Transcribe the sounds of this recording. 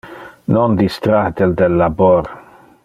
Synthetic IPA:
nɔnd̪ist̪ɾad̪ɛld̪ɛlːabɔɾ

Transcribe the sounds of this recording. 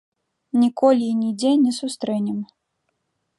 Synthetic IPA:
nʲikɔlʲinʲid͡zʲɛnʲɛsust̪ɾɛnʲɛm

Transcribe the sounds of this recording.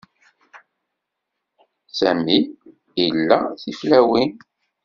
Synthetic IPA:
sæmi | ilːæθiflæwin

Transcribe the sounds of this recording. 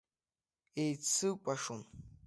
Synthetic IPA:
ejt͡sʰɨpʼaʂun

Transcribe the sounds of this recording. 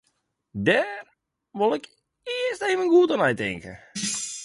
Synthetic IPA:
dɛːr | ʋolˠɪk | ɪəsteːvənɡuətanɛjtɪ̰ŋkə̰

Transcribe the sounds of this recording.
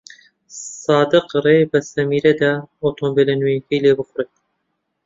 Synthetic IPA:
sɑːd̪ɨqrebɨsɐmiːɾɛd̪aot̪ʰoːmbelenujkijleːbɨxʊret̪̚

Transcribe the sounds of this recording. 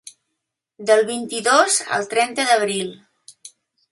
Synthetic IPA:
d̪əlˠβint̪iðozə̰lˠt̪ɾɛnt̪əðəβɾilˠ

